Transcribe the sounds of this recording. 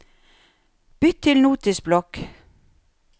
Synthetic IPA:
b̥ʏt̪ʰːɪlnuːt̪ɪsblɔk

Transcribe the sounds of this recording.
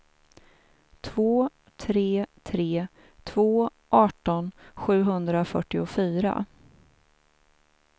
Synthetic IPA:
t̪ʰvoː | t̪ʰɾeːt̪ʰɾeː | t̪ʰvoː | ʔɑːʈɔnɧʉ̟ːɦɵnd̪ɾafœʈːɪʊfyːɾa̰

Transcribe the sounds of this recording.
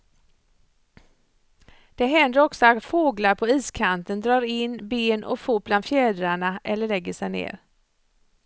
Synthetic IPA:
d̪̥ɛɦɛnd̪əɾɔksɔat̪foːɡlaɾpʰɔiːskʰant̪ənd̪ɾɑːɾɪnbeːnʔɔ̰fuːpʰland̪fjɛːd̪ɾaɳaʔɛlːəɭɛɡːəʂɛjnḛːɾ

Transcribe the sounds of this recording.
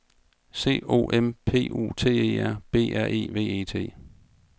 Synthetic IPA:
se̝̰ːo̝̰ːʔempʰe̝̰ːʔṵːt͡sʰe̝̰ːe̝̰ːæɐ̰b̥e̝̰ːæɐ̰ʔe̝̰ːʋe̝̰ːe̝̰ːt͡sʰe̝̰ː

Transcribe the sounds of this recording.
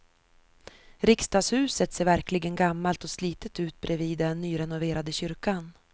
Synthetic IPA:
ɾɪkst̪ɑːɡshʉ̟ːsət̪seːɾvæɾklɪɡənɡamːalt̪ɔsliːt̪ət̪ʉ̟ːt̪̚bɾʔɛviːd̪ɛnːyːɾɛnʊveːɾad̪əɕʏɾkan

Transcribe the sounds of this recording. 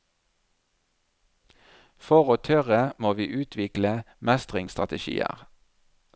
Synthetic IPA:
fɔʁoːt̪ʰœʁəmoːʋiːʔʉːt̪ʰʋɪklə | mɛst̪ʁɪŋst̪ʁɑ̰t̪əʃḭːə̰ʁ

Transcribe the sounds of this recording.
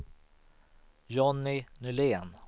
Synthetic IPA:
jɔnːɪnɵleːn

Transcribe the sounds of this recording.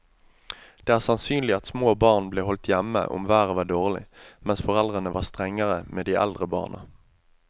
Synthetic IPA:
d̪̥eːæːʁsɑnsyːnlɪɑt̪smoːbɑːʁnbleːhɔlt̪jɛmə̰ʔʊ̰mʋæːʁəʋæːɖ̪oːʁlɪ̰mɛnsfɔʁɛld̪ʁənəʋɑ̰ːʁst̪ʁɛŋːəʁəmeːd̪iːʔɛ̰ld̪ʁəbɑ̰ːnʔə̰

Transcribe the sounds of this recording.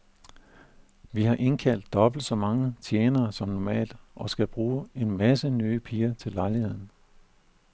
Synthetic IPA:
ʋihɑ̈ʔe̝nkʰæl̰d̥ːɒ̽b̥l̩d̥sɒ̽mɑ̈ŋət͡sʰjeːnɐːsɒ̽mnɒmɛ̰ːld̥ʔɒ̽sɡ̥æb̥ʁuːe̝nmæsənyːpʰiːɐt͡sʰe̝lːɑ̈ɪlihe̝ð̞̰ˠn̩

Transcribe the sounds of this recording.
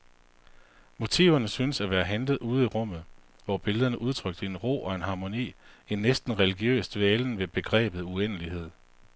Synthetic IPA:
mo̝t͡sʰḭʊɐnəsyːnəsæʋæːɐɦændð̞̩ˠuːð̞̩ˠiʁɔ̽m̰ð̩ˠ | ʋɒb̥e̝ləð̞ˠɐnəʔuð̞ˠt͡sʰʁœɡ̥d̥əe̝nʁo̝̰ːʔɒ̽e̝nɦɑ̈mo̝nḭːenːesd̥n̩ʁɛliɡ̥jø̰ːsd̥ʋeːln̩ʋe̝b̥e̝ɡ̥ʁɛ̰ːb̥ð̩ˠuenəliɦe̝ð̞̰ˠ

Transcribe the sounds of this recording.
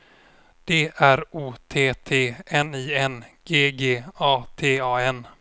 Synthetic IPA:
d̪̥eːʔæɾuːt̪ʰeːt̪ʰeːɛniːɛnɡ̥eːɡeːɑːt̪ʰeːɑːɛn

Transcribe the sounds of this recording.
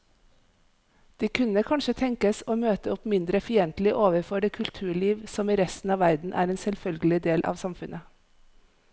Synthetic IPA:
d̪̥iːkʰʉnəkʰɑnʃət̪ʰɛŋkəsoːmøːt̪əʊpmɪnd̪ɾəfɪɛnt̪l̩ɪʔoːʋəɾfɔɖeːkʰʉlt̪ʰʉːɭiːʋsɔmiːɾɛst̪n̩ɑːʋæɾd̪n̩ʔæ̰ːɾeːnsɛlfœlɡəlɪd̪eːlʔɑ̰ːʋsɑmfʉnʔə

